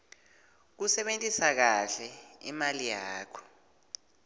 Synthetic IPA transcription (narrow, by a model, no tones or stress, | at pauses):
k̬usɛɓentʼisak̬aɬɛḭmalijaaːkʰɔ̥